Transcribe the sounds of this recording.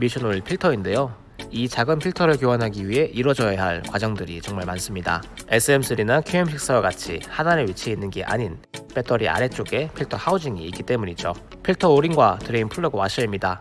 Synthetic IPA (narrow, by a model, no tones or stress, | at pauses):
miɕʰʌnuɭpʰiɭtʰʌinde̞jo | it͡ɕaɡɯmpʰiɭtʰʌɾɯɭkjoʌnɦaɡiɥiɦe̞ʔiɾwʌd͡ʑʌjjaɦaɭkwad͡ʑʌŋdɯɾit͡ɕʌŋmaɭmans͈ɯmɲida̰e̞s͈ʰɯemsʰɯɾinakʰjuɦemɕʰik̚s͈awaɡat͡ɕʰihanaɾeɥit͡ɕʰeinːɯnɡiʔa̰ɲinpe̞tʰʌɾia̰ɾe̞t͡ɕ͈oɡe̞pʰiɭtʰʌhaud͡ʑiŋiːk͈it͈e̞muɲid͡ʑo | pʰiɭtʰʌoɾinɡwatɯɾeinpʰuɭːʌɡowaɕ͈ʰʌimɲida